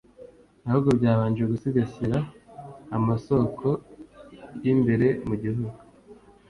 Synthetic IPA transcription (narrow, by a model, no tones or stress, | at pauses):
ihuɡobɟaːβaːnd͡ʒwjeɡusiɡasiɾaː | maso̞kʰo̞ | jimbe̞ɾe̞muɟiɦuɡu